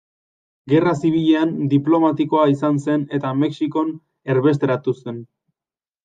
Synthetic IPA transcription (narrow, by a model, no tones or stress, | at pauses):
ɡe̞rasiβ̞iʎe̞and̪iplo̞mat̪iko̞aisanse̞ne̞t̪ame̞ksiko̞n | e̞ɾβe̞s̬t̪eɾat̪use̞n